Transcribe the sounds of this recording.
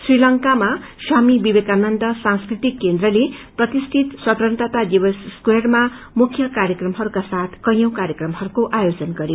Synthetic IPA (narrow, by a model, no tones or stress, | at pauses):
srilʌŋkamaswamibibekanʌnd̪ʌsãŋskrit̪ikːend̪rʌleprʌt̪ist̪ʰit̪sʌt̪ɾʌnt̪ʌt̪ad̪ibʌsskwerma | mukʰjʌkaɾjʌkrʌmɦʌɾukasat̪ʰkʌjʌw̃kaɾjʌkrʌmɦʌɾukoʔajod͡zʌnɡʌɾi